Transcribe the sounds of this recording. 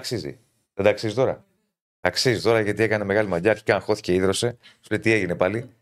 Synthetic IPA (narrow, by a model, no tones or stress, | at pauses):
ɐksizḭ | ðed̪ɐksizit̪o̞ɾɐ̰ | t̪ɐksizit̪o̞ɾɐʝɐt̪ie̞kɐne̞me̞ɣɐlimɐɟɐːɾçi̥kɐxo̞θi̥ce̞iðɾo̞se̞slet̪ie̞ʝine̞pɐli